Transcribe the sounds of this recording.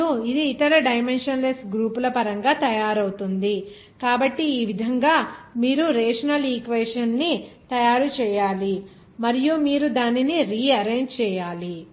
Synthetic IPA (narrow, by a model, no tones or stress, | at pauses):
uid̪iːt̪ɐɾɐɖɐjmenʂɐnlesʈɡɾuːpulɐpɐɾɐŋɡaːt̪ɐjaːɾɐwut̪und̪i | kaːbɐʈːiːʋid̪ʱɐŋɡaːmiːɾuɾɛːʂɐnɐliːkʋeːʂɐnːit̪ɐjaːɾut͡ʃɛːjaːli | mɐɾijumiːɾud̪aːniniɾiːɐɾeːɲd͡ʒt͡ʃɛːjaːli